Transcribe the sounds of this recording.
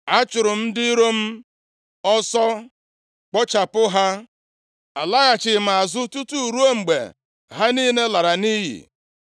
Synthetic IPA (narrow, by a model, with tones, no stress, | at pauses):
a˦t͡ʃʊ˨ɾʊ˨m̩˦dɪ˦i˦ɾo˦m̩˦ | ɔ˦sɔ˦ | k͡pɔ˦t͡ʃa˨pʊ˦ɦa˦ | a˨la˦ɣa˨t͡ʃɪ˨m˨a˨zʊ˦tu˦tu˦˨ɾu˦o˦ŋ͡m̩˨ɡ͡bḛ˨ | ɦa˦ni˦ne˦la˨ɾa˨ni˦ɦḭ˨